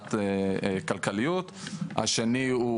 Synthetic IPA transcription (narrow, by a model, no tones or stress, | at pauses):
t̪ | kalkalijut̪ha̰ʃeniu